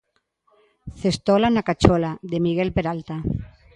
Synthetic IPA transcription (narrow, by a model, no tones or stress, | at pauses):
θest̪olanakat͡ʃolaðemiɣelpeɾalt̪a